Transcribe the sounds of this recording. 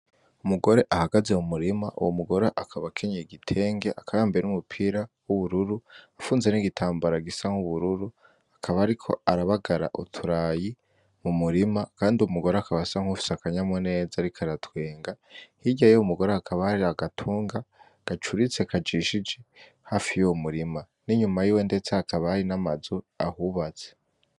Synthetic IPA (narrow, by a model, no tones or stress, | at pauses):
umuɡo̞ɾe̞ʔahaɡaze̞mumuɾimaʔṵwomuɡo̞ɾeʔakʰaβakʰe̞ɲeiɡitʰe̞ːŋɡe̞ʔakʰaβaːmbeɾenumupʰiɾawuβuɾuɾuafuːnze̞niɡitʰaːmbaɾaɡisaŋhuβuɾuɾu | akʰaβaːɾikʰo̞̰aɾaβaɡaɾa̰ʔutʰuɾaːji | mumuɾimakaːndiumuɡo̞ɾoakaβasaŋ̥hufi̥sakaɲamwone̞ːzaɾikʰaɾatweːŋɡahiɟajoumuɡo̞ɾoakʰaβaaɾiaɡatʰuːŋɡa | ɡ̥at͡ʃuɾit͡sekʰad͡ʒiʃid͡ʒe | haːfijomuɾima | niɲumajiːwe̞nde̞t͡seakaβaaɾinamazu | a̰huβat͡se̥